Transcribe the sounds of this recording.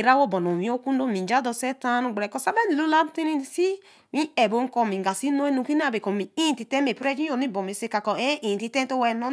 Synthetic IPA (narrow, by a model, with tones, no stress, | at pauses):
e˨ɾa˦wo˦˨bɔ˨no˨mĩ˨˦o˦ku˦n˦do˦˨mi˨d͡ʒa˨˦dɔ˧sɛ˦ta˦nu˨ɡ͡bɾɛ˨kɔ˧˨sa˦be˦n˨lu˦la˦ti˦ni˧˦n˨si˦ | mĩ˦ɛ˨bo˨ŋ̩˦kɔ˧mi˨ɡa˨si˦no˦e˦nũ˨˧˨ki˦n˦a˦˨be˨kɔ˨mi˨i˦i˦˨ti˨tɛ˦me˨pɾɛ˦d͡ʒi˦o˨ni˦˨bɔ˨mi˨se˧˦ka˨kɔ˨e˦ʔĩ˨i˨ti˧tɛ̃˦n˦to˦wɛ˧no˦